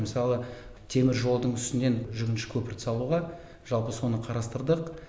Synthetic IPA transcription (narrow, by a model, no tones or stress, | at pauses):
məsɑlˠə | t̪ʰe̞mɪɾʒo̞lˠd̪əɴʏst̪ɪne̞nʒʏɡʲɪnʃɪ̥kʲʰɵpɪɾt̪sɑlˠuʁɑ | ʒ̥ɑlˠpəso̞nəqʰɑɾɑst̪əɾd̪əq